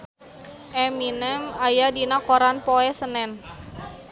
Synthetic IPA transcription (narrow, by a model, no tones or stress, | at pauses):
ʔɛminɛmajadinakoɾanpoɛsənɛn